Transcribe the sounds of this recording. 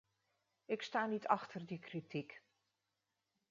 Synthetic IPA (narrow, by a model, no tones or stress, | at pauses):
ɪkstaːnitʰɑxtʰərdikritʰik